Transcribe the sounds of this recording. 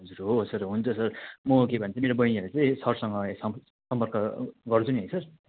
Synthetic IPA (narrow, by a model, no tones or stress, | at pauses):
d͡zuɾɦosʌrɦunt͡sʰʌsʌrmʌkebʱʌnet͡sʌimeɾobʌinʌɾut͡saĩsʌrsʌŋɡʌesʌ | sʌmpʌrkʌɡʌrt͡sʰuniɦʌjsʌr